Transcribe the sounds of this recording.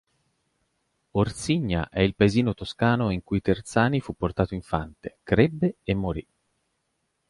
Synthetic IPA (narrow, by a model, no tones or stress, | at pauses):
ort̪siɲːa̰ʔɛilpaeziːnot̪oskaːnoiŋkujt̪ert̪saːnifupːort̪aːt̪oiɱfant̪ekɾebːeemːoɾi